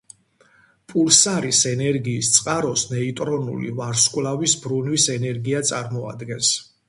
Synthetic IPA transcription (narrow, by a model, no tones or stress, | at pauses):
pʼulsaɾisɛnɛɾɡiːst̪sʼqʼaɾɔsnɛit̪ʼɾɔnṵlḭvaɾskʼwlavisbɾunwisɛnɛɾɡiat̪sʼaɾmɔa̰d̪ɡɛns